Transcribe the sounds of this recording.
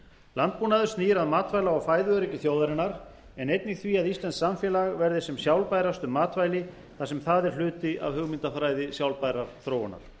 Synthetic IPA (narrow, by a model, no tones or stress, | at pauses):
lant̪̚puːnaðʏ̥ɾsniːɪɾaðmaːt̪vajlaawfaːjðʏœɾɛcɪθjowðaɾɪnːaɾ̥ | ɛnejt̪nɪxθviaðist̪lɛnsamfjɛːlaɣvɛɾðɪsɛmsjawlpajɾast̪ʏmːaːt̪vajlɪ | θasɛmθaðɛɾ̥l̥ʏːt̪ɪʔa̰vhʏɣmɪnt̪afɾaːjðɪsjawlpajɾaɾ̥θɾoːwana̰ɾ̥